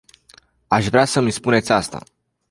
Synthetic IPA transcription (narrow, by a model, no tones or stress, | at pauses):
aʃvɾeasəmispune̞t̪sʲast̪a̰